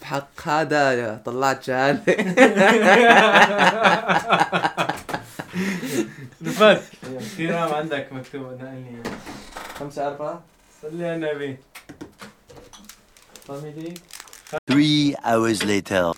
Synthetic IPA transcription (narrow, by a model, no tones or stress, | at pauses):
bħɑqːhaːd̪at̪ˤɑlːɑʕt̪d͡ʒahaːli | basxiɾamʕɪnd̪akmak̚t̪ubnaʔaliaxamsaʔɑɾˤfa | salːianabi | t̪ˤɑmid̪i | θɹiːaʊəzleːtʰə